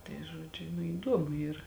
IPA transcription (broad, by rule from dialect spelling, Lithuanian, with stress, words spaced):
tɐɪ ˈʒuɔd͡ʒʲʊ nʊ iːˈduɔmʊ ˈiːrɐ